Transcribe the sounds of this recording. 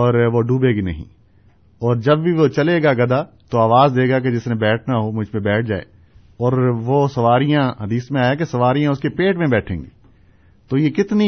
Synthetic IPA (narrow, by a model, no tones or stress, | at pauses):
ɔːɾʋoɖuːbeɡinɐ̰ɦḭ̃ | ɔːɾd͡ʒɐbbʱiʋot͡ʃɐleːɡaɡɐd̪a | t̪oaːʋaːzd̪eːɡak̬ed͡ʒɪsnẽbɛːʈʰnaɦomʊd͡ʒʱpẽbɛːʈʰd͡ʒa̰ːḛː | ɔːɾʋosɐʋaːɾijãɦɐd̪iːsmẽaːjak̬esɐʋaːɾijãʊskepeːʈmẽbɛːʈʰḛ̃ːŋɡiː | t̪oːjekɪt̪ni